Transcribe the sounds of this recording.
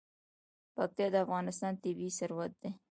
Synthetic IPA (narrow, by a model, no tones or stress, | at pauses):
pak̚t̪jɑd̪əafɣɑnɪst̪ɑnt̪ɪbisaɾwat̪̚d̪e